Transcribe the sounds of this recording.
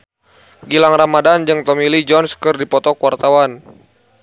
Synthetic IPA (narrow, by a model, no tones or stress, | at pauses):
ɡilaŋramadand͡ʒɨŋt̪ɔmilid͡ʒɔnskɨrdipɔt̪ɔkuwart̪awan